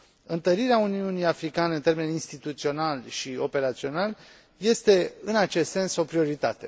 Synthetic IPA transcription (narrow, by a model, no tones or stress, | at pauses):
ɨnt̪əɾiɾeauniunijafɾikaneɨnt̪e̞me̞ninst̪it̪ut̪sio̞nalʃio̞pe̞ɾat̪sio̞nal | je̞st̪e̞ɨnat͡ʃe̞st̪se̞nso̞pɾio̞ɾit̪a̰t̪e̞̰